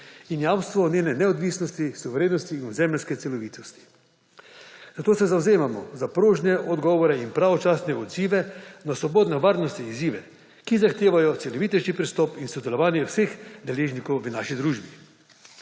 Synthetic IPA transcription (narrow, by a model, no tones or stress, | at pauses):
injamst̪ʋɔnʲjeːnɛnɛɔd̪ʋisnɔst̪isuʋɛɾeːnɔst̪iːnuzɛmlɛskɛt̪sɛlɔʋiːt̪ɔst̪i̥ | z̥at̪oːsɛzawzeːmamɔzapɾoːʒnɛʔɔd̪ɡɔːʋɔɾɛinpɾaʋɔt͡ʃaːsnɛɔd̪ziːʋɛnasʋɔboːd̪nɛʋaːɾnɔst̪ɛiziːʋɛ | kizaxt̪eːʋajɔt̪sɛlɔʋit̪ɛʃkipɾist̪ɔːpinsɔd̪ɛlɔʋaːnjɛwsexd̪ɛleːʒnikɔwʋənaːʃid̪ɾuʒbi